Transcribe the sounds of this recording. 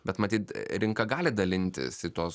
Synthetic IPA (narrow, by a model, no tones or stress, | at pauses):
bʲɛt̪mɐt̪ʲiːt̪ɾʲɪŋkɐɡɑːlʲɪd̪ɐlʲɪnʲt̪ʲɪ̰sit̪oːs